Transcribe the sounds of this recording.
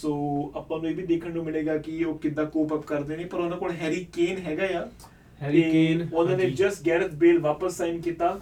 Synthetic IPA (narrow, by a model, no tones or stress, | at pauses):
soːəpãːnũːeːbʱiːd̪eːkʰəɳnũːmɪleːɡaːkɪoːkɪd̪ãːkuːpəpkəɾd̪eːnẽːpəɾonãːkoːlɦɛːɾiːkeːnɦɛːɡaːjaː | eːoːd̪ãːneːd͡ʒəsʈɡɛːɾət̪beːlʋaːpəsːaːɪnkiːt̪aː